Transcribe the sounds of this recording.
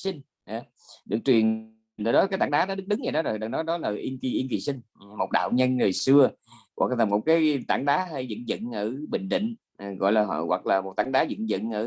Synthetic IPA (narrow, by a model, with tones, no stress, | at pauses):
sï˧ŋ̟ | ʔa˨˦ | ɗɨ˨˩k̚t͡ɕwi˨˩ən | ɗəː˨˧˩ɗɔ˨˦ka˨˦jt̪a̰ː˧˦ŋɗaː˨˦ɗɔ˨˦ɗɨ˦˥k̚ɗɨ˨˦ŋzaː˨˩ɗɔ˨˦zo˨˩jɗa˨˩nɔ˨˦ɗɔ˨˦laː˨˩ʔi˧nki˨˩ʔi˧nki˨˩sï˧ŋ̟˨˩mo˨˩t̚ɗa̰ː˧˨wɲə˧nːɨ˨˩əjsɨ˧ə | ɣwʔa˨˩k̚laː˨˩mo˨˩t̚kaː˨˦jt̪aː˧˩ŋɗaː˨˦ha˧˩jzə̰˧˨nzə̰˧˨nʔəː˧˩ɓï˧˨ŋ̟ɗḭ̈˧˨ŋ̟˨˩ | ɣɔ̰˧˨jlaː˨˩ɦɔ̰˧˨wa˨˩k̚laː˨˩mo˨˩t̚t̪aː˧˩ŋɗaː˨˦zə̰˧˨nzə̰˧˨nʔəː˧˩